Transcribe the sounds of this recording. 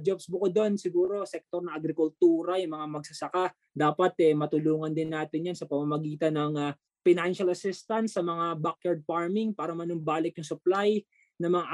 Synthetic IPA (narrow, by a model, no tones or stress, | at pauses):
d͡ʒopsbʊkod̪o̞nsɪɡuːɾo̞sɛk̚t̪oɾnɐʔɐɡɾɪkʊlt̪uːɾɐjʊŋmɐŋamɐɡ̚sɐsɐka | d̪aːpɐt̪ʔɛmɐt̪ʊluːŋɐnd̪ɪnːaːt̪ɪnjansɐpɐmamɐɡiːt̪ɐnɐŋa | fɪnanʃɐlɐsɪst̪ɐnt̪sːɐmɐŋabakjaɹd̪̚faɹmɪŋpaːɾɐmɐnʊmbaːlɪk̪jʊŋsʊplaj | nɐmɐŋaʔ